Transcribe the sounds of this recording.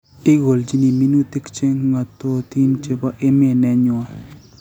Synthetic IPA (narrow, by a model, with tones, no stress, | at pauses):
ɪ˦ɡo˨ld͡ʒi˦ni˨mi˦nu˦t̪e˦kt͡ʃe˦ŋŋa˨t̪ɔ˦t̪i˦mt͡ʃe˦ba˦ʔe˦me˦˨nɛ˦ɲʊ˨a˦